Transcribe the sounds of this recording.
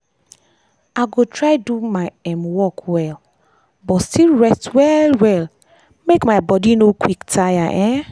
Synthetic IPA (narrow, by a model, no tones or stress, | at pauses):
aɡotʰɹajdumaɪɛ̃mwɔkwɛl | bɔtstilɹɛstwɛlwɛl | mekmaɪbɔdinokʰwiktʰajaʔɛ̃